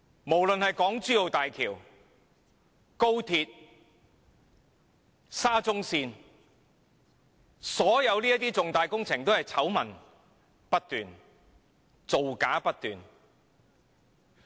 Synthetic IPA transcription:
mo˨˩wlɵ˨nhɐ˨jkɔː˨˥ŋt͡syː˥o˨wt̪aː˨jkʰiː˨˩w | ko˥wt̪ʰiː˧t̚ | saː˥t͡sʊ˥ŋsiː˧n | sɔː˨˥jɐ˨˧wliː˥ɐ˥t̪iː˥t͡sʊ˨ŋt̪aː˨jkʊ˥ŋt͡sʰɪ˨˩ŋt̪o˥hɐ˨jt͡sʰɐ˨˥wmɐ̰˨˩n | pɐ˥t̚t̪yː˨n | t͡so˨wkaː˨˥pɐ˥t̚t̪yː˨n

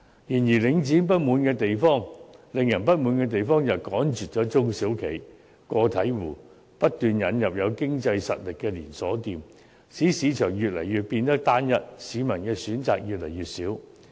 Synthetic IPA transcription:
jiː˨˩njiː˨˩lɪ˨˧ŋt͡siː˨˥np̬ɐ˥t̚muː˨˧nkɛː˧t̪e˨jfɔː˥˩ŋlɪ˨ŋjɐ˨˩npɐ˥t̚muː˨˧˥nkɛː˧t̪̬e˨jfɔː˥ŋjɐ˨˩wkɔː˨˥nt͡ʃyː˨t̚t͡ʃɔː˨˥t͡sʊ˥ŋsiː˨˥wkʰe˨˩j | kɔː˧t̪ʰɐ˨˥jwuː˨˩ | pɐ˥t̚t̪yː˨njɐ˨njɐ˨p̚jɐ˨˧wkɪ˥ŋt͡sɐ˧jsɐ̰˨t̚lɪ˨kːɛː˧liː˨˩nsɔː˨˥t̪iː˨m | siː˨˥siː˨˧˥t͡ʃʰœː˨˩ŋjyː˨t̚lɐ̰˨˩jjyː˨t̚piː˧nt̪ɐ˥k̚t̪aː˥njɐ˨t̚siː˨˧˥mɐ˨˩nkɛː˧syː˨˥nt͡sa̰ː˨k̚jyː˨t̚lɐ˨˩jyː˨t̚siː˨˥w

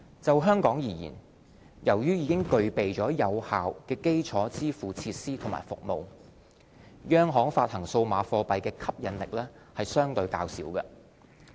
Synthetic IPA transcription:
t͡sɐ˨wɦœː˥ŋkɔː˨˥ŋjiː˨˩jḭː˨˩n | jɐ˨˩wjyː˥jiː˨˧kɪ˥ŋkɵ˨˧ɥpe˨jt͡ʃɔː˨˥jɐ˨˧whaː˨wkɛː˧ke˥jt͡sʰɔː˨˥t͡siː˥fuː˨t͡sʰiː˧t̚siː˥t̪ʰʊ˨˩ma̰ː˨˩jfʊ̰˨k̚mo˨w | jœː˥ŋɦɔː˨˥ŋfaː˧t̚hɐ˨˩ŋso˧wmaː˨˥fɔː˧pɐ˨jkɛː˧kʰɐ˥p̚jɐ˨˧˥nlɪ˨k̚lɛː˥ | hɐ˨jsœː˥ŋt̪ɵ˧ɥkaː˧wsiː˨˥wkɐ˧

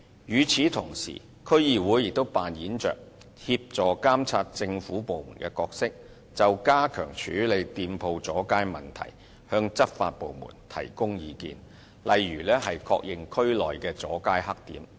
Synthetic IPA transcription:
jyː˨˧t͡sʰiː˨˥t̪ʰʊ˨˩ŋsḭː˨˩ | kʰɵ˥ɥjiː˨˧wuː˨˥jɪ˨k̚t̪o˥wpaː˨njiː˨˥nt͡ʃœ̰ː˨k̚ | hi˧p̚t͡sɔː˨˩kaː˥mt͡sʰaː˧t̚t͡sɪ˧ŋfuː˨˥po˨wmuː˨˩nkɛː˧kɔː˧k̚sɪ˥k̚ | t͡sɐ˨wkaː˥kʰœ̰ː˨˩ŋt͡ʃʰy̰ː˨˥le˨˧jt̪iː˧mpʰo˧wt͡sɔː˨˥kaː˥jmɐ˨˩nt̪ʰɐ̰˨˩j | hœː˧ŋt͡sɐ˥t̚fa̰ː˧t̚po˨˧wmṵː˨˩nt̪ʰɐ̰˨˩jkʊ˥ŋjiː˨˧kḭː˧n | lɐ˨jɥyː˨˩lɛː˥ɦɐ˨jkʰɔ̰ː˧k̚jɪ˨ŋkʰɵ˥ɥlɔː˨jkɛː˧t͡sɔ̰ː˨˥kaː˥jhɐ˥k̚t̪ḭː˨˥m

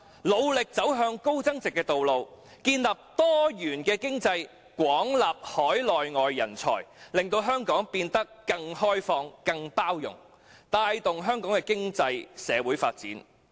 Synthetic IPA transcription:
lo˨˧wlɪ˨k̚t͡sɐ˨˥wɦœː˧ŋko˥wt͡sɐ˥ŋt͡sɪ˨kːɛː˧t̪o˨wlo˨˧w | kiː˧nlɐ˨p̚t̪ɔː˥jyː˨˩nkɛː˧kɪ˥ŋt͡sɐ˧j | kʷwɔː˨˥ŋlaː˨p̚hɔː˨˥jlɔː˨jŋɔː˨jːɐ̰˨˩nt͡sʰɔ̰ː˨˩jlɪ˨ŋt̪o˧wɦœː˥ŋkɔː˨˥ŋpiː˧nt̪ɐ˥kːɐ˧ŋhɔː˥jfɔː˧ŋkɐ˧ŋpaː˥wjʊ̰˨˩ŋ | t̪aː˧jt̪ʊ˨ŋɦœː˥ŋkɔː˨˥ŋkɛː˧kɪ˥ŋt͡sɐ˧jsɛː˨˧wuː˨˥jfaː˧t̚t͡sḭː˨˥n

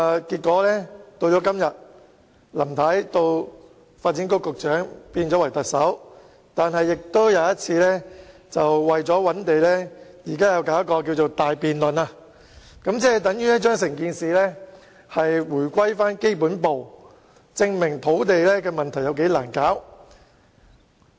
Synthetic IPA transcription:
kiː˧t̚kʷɔː˨˥lɛː˥t̪o˧wt͡ʃɔː˨˥kɐ˥mjɐ˨t̚ | lɐ˨˩mt̪ʰa˨˥jt̪o˧w | faː˧t̚t͡siː˨˥nko˥kʊ˨k̚t͡ʃœː˨˥ŋpiː˧nt͡ʃɔː˨˥wɐ˨˩jt̪ɐ˨k̚sɐ˨˥w | t̪aː˨nɦɐ˨jːɪ˨k̚t̪o˥wjaː˨˧jɐ˥t̚t͡sʰiː˧lɛ˥t͡sɐ˨wwɐ˨jt͡sɔː˨˥wɐ˨˥nt̪e˨jlɛː˥jiː˨˩kaː˥jɐ˧wkaː˨˥wkɔː˧k̬iː˧wt͡so˨˩wt̪aː˨jpiː˨nlɵ˨naː˧ | kɐ˨˥mt͡sɛː˥t̪ɐ˨˥ŋjyː˥jɐ˥t͡ʃœː˥ŋs̬ɪ˨˩ŋkiː˧nsiː˨lɛː˥ | hɐ˨jwuː˨˩jkʷɐ˥jfaː˥nke˥jpuː˨˥npo˨w | t͡sɪ˧ŋmɪ˨˩ŋt̪ʰo˨˥wt̪̬e˨jlɛ˥kɛː˧mɐ˨nt̪ʰɐ˨˩jɐ˧wke˨˥jlaː˨˩nkaː˨˥w

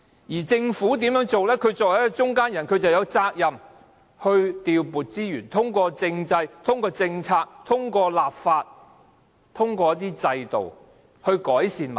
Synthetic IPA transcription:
jiː˨˩t͡sɪ˧ŋfuː˨˥t̪̬iː˨˥mjœː˨˥ŋt͡so˨wlɛː˥kʰɵ˨˧ɥt͡sɔː˨k̚hɐ˨˦˥kɔ˧t͡ʃʊ˥ŋkaː˥njɐ˨˩nkʰɵ˧ɥt͡sɐ˨wjɐ˨˧wt͡saː˧k̚jɐ˨m | hɵ˧ɥt̪iː˨wpuː˨t̚t͡siː˥jyː˨˩nt̪ʰʊ˥ŋkɔː˧t͡sɪ˧ŋt͡sɐ˧jt̪ʰʊ˥ŋkɔː˧t͡sɪ˧ŋt͡sʰaː˧k̚t̪ʰʊ˥ŋkɔː˧laː˨p̚faː˧t̚ | t̪ʰʊ˥ŋkɔː˧jt̪iː˥t͡sɐ˧jt̪o̰˨w | hɵ˧ɥkɔː˨˥jsiː˨˧nmɐ̰˨˩

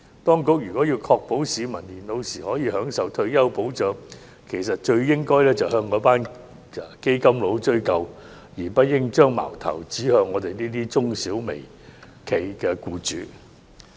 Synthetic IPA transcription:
t̪ɔː˥ŋkʊ˨˥k̚jyː˨˩kɔː˨˥jiː˧wkʰɔː˧k̚po˨˥wsiː˨˧mɐ˨˩nliː˨˩nlo˨˧wsiː˨˩hɔː˨˥jiː˨˧hœː˨˥ŋsɐ˨˧wt̪ʰɵ˧ɥjɐ˥wpo˨˥wt͡ʃœː˨˥ŋ | kʰe˨˩jsɐ˨t̚t͡ʃɵ˧ɥjɪ˥ŋkɔː˥jlɛː˥t͡sɐ˨wɦœː˧ŋkɔː˨˥paː˥n˨ | ke˥jkɐ˥mlo˨˥wt͡ʃɵ˥ɥkɐ˨w | jiː˨˩pɐ˥t̚jɪ˥ŋt͡ʃœː˥ŋma̰ː˨˩wt̪ʰɐ̰˨˩wt͡siː˨˥hœː˧ŋːɔː˨˧t̪e˨jniː˥t̪iː˥t͡sʊ˥ŋsiː˨˥wme˨˩j | kʰe˨jkɛː˧kuː˧t͡ʃyː˨˥

